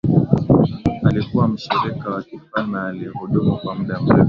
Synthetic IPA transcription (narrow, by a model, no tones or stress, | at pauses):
alikuwam̩ʃɛɾɛkawakifanaːlihɔɗɔmɔkwamuɗam̩ɾɛ